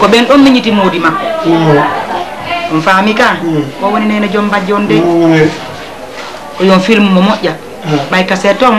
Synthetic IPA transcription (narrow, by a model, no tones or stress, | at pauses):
kɔbɛnɗɔmːiɲitimoːdima | ɗɔnfamikakɔwoninajnad͡ʒɔmbad͡ʒɔndɛ | kɔjɔnfilmuːɔmɔʔːa | bajkasɛtːɔn